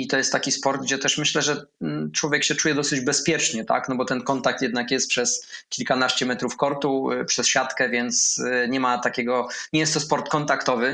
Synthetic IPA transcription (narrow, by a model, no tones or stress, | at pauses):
it̪ɔjɛst̪ːakʲispɔɾd̪̚ɡd͡ʑɛt̪ɛʂmɘɕlɛʐɛ | t͡ʂwɔvʲjɛkɕɛt͡ʂujɛd̪ɔsɘd͡ʑbɛspʲjɛt͡ʂɲɛt̪a̰knɔbɔt̪ɛnkɔnt̪ak̚t̪jɛd̪nakjɛst̪pʂɛskʲilkanaɕt͡ɕɛmɛt̪ɾufkɔɾt̪upʂɛsɕat̪kɛvʲjɛnt̪sɲɛmat̪akʲɛɡɔɲɛjɛst̪t̪ɔspɔɾt̪kɔnt̪akt̪ɔvɘ